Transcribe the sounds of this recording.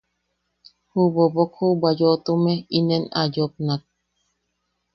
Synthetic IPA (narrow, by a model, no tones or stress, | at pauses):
hubobokhubajot̪umeinena̰jop̚nat̪̚